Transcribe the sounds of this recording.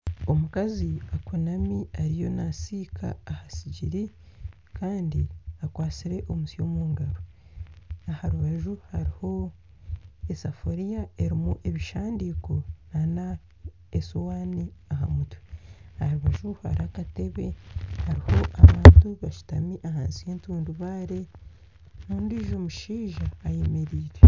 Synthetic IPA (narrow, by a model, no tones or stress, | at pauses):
o̞mukaziakunamiaɾijo̞nasiːkʰa̰ːhasiɟiɾi | kaːndiakwaːt͡siɾe̞ʔo̞musio̞muːŋɡaɾo | ahaɾuβaʒuhaɾiho̞ | esafoɾijae̞ɾimuʔe̞βiʃaːndiko̞nana | esowaːniaha̰mutweahɾuβaʒuha̰ɾiakate̞βe̞haɾiho̞ʔaβaːntuβaʃu̥tamiʔaha̰ːnsi̥hentuːnduβaːɾe | nuːndiʒomuʃiːʒaːjemeɾiːɾe